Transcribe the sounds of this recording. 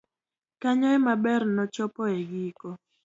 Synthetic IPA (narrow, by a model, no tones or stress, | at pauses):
kaɲɔɛmabɛrnɔt͡ʃɔpɔeɡikɔ